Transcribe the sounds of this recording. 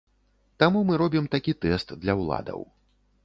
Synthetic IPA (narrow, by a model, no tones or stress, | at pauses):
t̪amumɨɾɔbʲimt̪akʲit̪ɛst̪d̪lʲɐwlˠa̰d̪ɐ̰w